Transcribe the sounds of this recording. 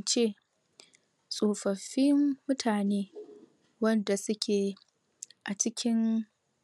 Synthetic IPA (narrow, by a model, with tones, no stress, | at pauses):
t͡ʃeː˦˨ | sʼoː˨ɸɐ˨ɸi˦mːʊ˦tʰaː˨neː˦ | wɐ˦nda˨sʊ˦kʲʰeː˨ | ʔa˨t͡ʃɪ˦kʲʰɪ˦n